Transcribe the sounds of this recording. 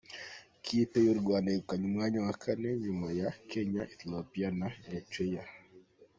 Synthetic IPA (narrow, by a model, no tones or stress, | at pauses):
kʰitejoɾɡwanɛukaɲmwaɲawakʰanɛɲumajakʰɛɲaʔiθilɔpianajat͡ʃweja